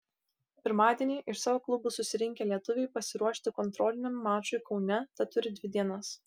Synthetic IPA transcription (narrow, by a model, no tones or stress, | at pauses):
pʲɪɾmɑːd̪ʲiɛnʲiːʔɪʃsɑːʋoːklˠʊbʊsʊsʲɪɾʲɪŋʲkʲɛlʲiɛt̪ʊʋʲɛɪpɐsʲɪɾuɔʃʲt̪ʲɪkɔnt̪ɾɔːlʲɪnʲɛmːɑːt͡ʃʊɪkɒʊnʲɛt̪ɐt̪ʊɾʲɪd̪ʲʋʲɪd̪ʲiɛnɐs